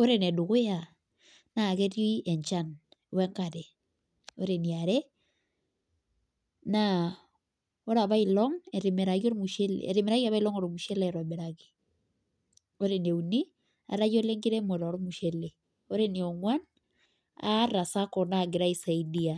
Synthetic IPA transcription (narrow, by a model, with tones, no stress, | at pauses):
o˦ɾe˦nɛ˨du˨ɣe˦a˨ | na˨ɣɛ˦ɾi˦ɛ˨ɲt͡ʃa˦n | wɛ˦ŋka˨ɾɛ˨ | o˦ɾe˨nia˨ɾɛ˦ | na | o˦ɾa˨βa˦i˨lɔŋɛɾe˨mɛ˨ɾa˨ɣi˦o˦ɾmu˨ʃe˦lḛɛ̰˨ɾe˨mɛ˨ɾa˦ɣi˦a˨βa˦i˦lɔ˦ŋo˨ɾo˨mu˨ʃɛ˦la˦˨ɾa˨mɛ˨ɾaɣi | o˦ɾene˨u˨ni˦ | a̰˨ɾa˦ɣi˦o˦le˦ŋɡi˦ɾɛ˦mo˨ɾɔ˨ɾo˦mu˨ʃɛ˦le˨ | o˦ɾe˦ni˨ɔ˨ŋwa˦n | a̰˦ɾa˨sa˦kɔ˨na˦˨ɡe˨ɾa˦i˦sa˨idi˦a˨